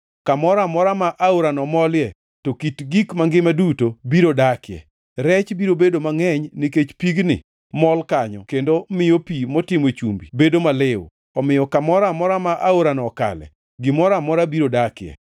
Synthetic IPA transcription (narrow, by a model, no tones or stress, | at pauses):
kamɔɾamɔɾamaʔaoɾanɔmɔljɛ | tokitɡikmaŋɡɪmadutobiɾodakɪɛ̰ | ɾɛt͡ʃbiɾobedomaŋɛɲnɪket͡ʃpiɡnɪ̰ | mɔlkaɲɔ̰kendomɪjopimɔtɪmet͡ʃumbḭbedomalɪw̰ | ɔmɪjɔkamɔɾamɔɾamaʔaoɾanɔka̰lɛ̰ | ɡɪmɔɾamɔɾabiɾodakɪjɛ̰